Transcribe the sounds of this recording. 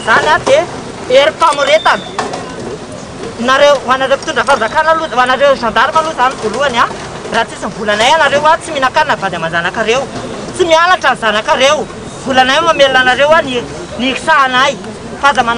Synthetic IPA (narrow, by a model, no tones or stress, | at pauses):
zanad̪e | eɾifamuɾet̪anə̥ | naɾewanaɾewpi̥t̪uɳɖ͡ʐəfazakanaluanaɾewʒand̪aɾimaluzanivoluana | rat͡sisimvulanajanaɾewat͡siminakannəvad̪amand͡zanakaɾew | t͡simianaʈ͡ʂanizanakaɾew | vulanajmamelunanaɾewani | nii̥saːnaj | fazaman